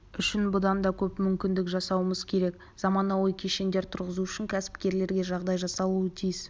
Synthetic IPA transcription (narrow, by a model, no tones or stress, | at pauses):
ʏʃɪnbʊd̪ɑnd̪ɑkʲʰɵpmʏmkʲɪnd̪ɪkʒɑsɑwəməzkʲʰe̞ɾe̞k | z̥ɑmɑnɑwəjkʲʰeʃe̞nd̪e̞ɾt̪ʰʊɾʁəzuʏʃɪŋkʲʰæsɪ̥pkʲe̞ɾle̞ɾɡʲe̞ʒɑʁd̪ɑjʒɑsɑlˠuət̪ʰijɪs